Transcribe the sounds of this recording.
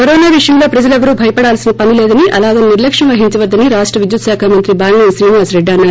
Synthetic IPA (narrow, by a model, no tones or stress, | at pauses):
kɐɾoːnaːʋiʂɐjɐmlo̞ːpɾɐd͡ʒɐlɐʋɐɾubʱɐjɐpɐɽaːlsinɐpɐnilɛːd̪ɐniʔʔɐ̰laːd̪ɐnniɾlɐkʂɐmʋɐɦiɲt͡ʃɐʋɐd̪ːɐniɾaːʂʈɾɐʋid̪jut̪ʃaːkʰaːmɐnt̪ɾibaːŋɡnensɾiːnʋaːsɾeɖːɐːnːaː